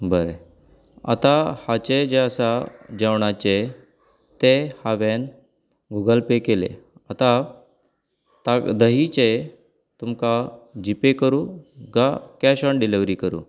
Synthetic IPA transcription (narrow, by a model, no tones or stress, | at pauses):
bəɾe | a̰t̪ahat͡ɕed͡ʑeəsad͡ʑaʋɳat͡ɕe | t̪ehaʋen | ɡuɡəlpekelḛat̪a | t̪ad̪əɦit͡ɕe | t̪umkad͡ʑipekəɾuːɡakaɕəɳɖiliʋɾikəɾṵː